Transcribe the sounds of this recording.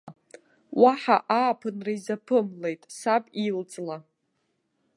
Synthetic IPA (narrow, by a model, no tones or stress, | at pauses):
waħaʔaːpʰɨnraizapʰɨmle̞jtʼsabʼilt͡sʼla